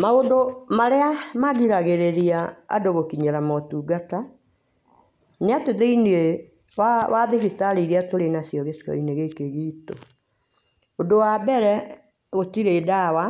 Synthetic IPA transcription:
maodomaɾeamaɣiɾaɣeɾeɾiaa̰doɣokiɲɛɾamɔtuːɡata | neateðeinee | wawaðeɣisaɾeiɾeatoɾenasjɔɣesi̥kɔ̰ineɣekeɣiːto | odowabɛɾɛ | ɣotiɾedawa

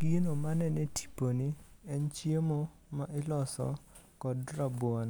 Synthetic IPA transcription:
ɡinomanɛnɛtʰi̥poniɛnt͡ʃjemo | maʔɪlɔsɔ̰ | kɔdrabwɔn

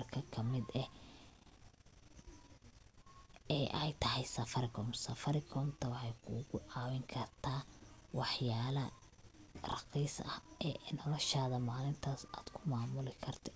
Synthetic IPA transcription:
rkʰɐkʰɐmɪd̪ɛ | ɛːʔɛjt̪ʰɐɦɛjsɐfɐɾɪkʰɔmsɐfɐɾɪkʰɔːmt̪ʰɐwɑħɑjkʰṵːɣʊʕɑːwɪŋkʰɐrt̪ʰaːwɑħjaːlɐ | rɑqiːsɐhɛːnɔlɔʃaːðɐmaːlɪnt̪ʰasa̰ːd̪̥kʰʊmaːmʊlɪkʰɐrt̪ʰɛ̥

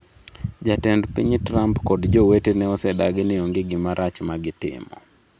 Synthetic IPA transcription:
d͡ʒatɛndpḭɲtɾampkɔdd͡ʒɔwetenɛɔsɛdaɡɪnɪoŋɡɪɡɪmaɾʔat͡ʃmaɡɪtɪ̰mɔ̰

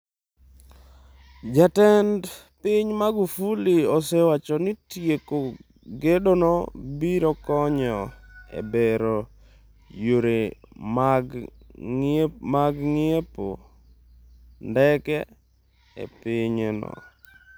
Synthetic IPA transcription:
d͡ʒatɛnd | piɲmaɡufuliɔsɛwat͡ʃɔnitjeko | ɡedonɔbiɾɔkɔɲɔḛbeɾo | joɾe | maɡŋɪepo̰ | ndɛkɛ | ḛpiɲenɔ̰

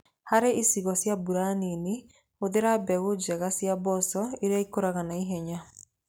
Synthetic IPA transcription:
haɾeʔisiɣɔsjabuɾanine | oðeɾabɛɣod͡ʒɛɣasjabɔsɔeɾaikoɾaɣanaiɦɛɲa

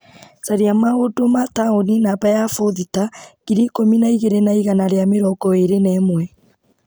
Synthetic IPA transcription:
saɾiamaodomataoninapajafoðitaɣ̥iɾikominaiɣeɾenaiɣanaɾeameɾɔɡɔeɾenɛmwɛ

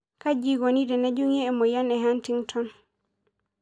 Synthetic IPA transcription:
kad͡ʒiɡɔnidɛnad͡ʒuŋɛɛmɔjanɛɦantiŋtʰɔn

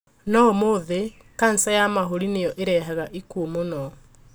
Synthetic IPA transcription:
nɔmoðe | kansajamaɦoɾinejɔʔeɾɛɦaɣaʔikuomonɔ

